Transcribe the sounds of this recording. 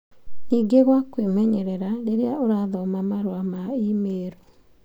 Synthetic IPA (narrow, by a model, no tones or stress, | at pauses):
niːɡeɣwakwemɛɲɛɾɛɾaɾeɾeaʔoɾaðɔmamaɾwamaimeɾo